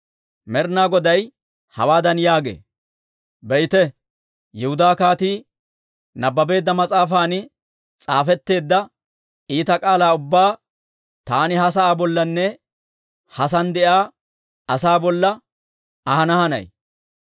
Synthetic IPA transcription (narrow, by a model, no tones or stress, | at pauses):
mɛɾnaːɡɔd̪ɐj | hɐ̰waːd̪ɐnjaːɡḛː | bɛjt̪ɛ | jɪhʊd̪aːkaːt̪iː | nɐbːɐbe̞ːd̪ːɐmɐt͡sʼaːfaːnɪ | t͡sʼaːfɛt̪ːe̞ːd̪ːɐ | iːt̪ɐkʼaːlaːʊbːaː | t̪aːnɪɦɐs̬ɐaːbɔlːɐnːɛ | hɐsɐnd̪ɛʔaː | saːbɔlːɐ | ɐhɐnɐhɐnɐ̰j